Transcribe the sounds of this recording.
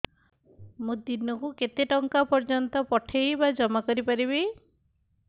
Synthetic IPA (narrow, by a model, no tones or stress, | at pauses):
mũd̪inɔkuket̪eʈɔŋkapɔɾd͡ʒɔnt̪ɔpɔʈʰejbad͡ʒɔmakɔɾipaɾiβi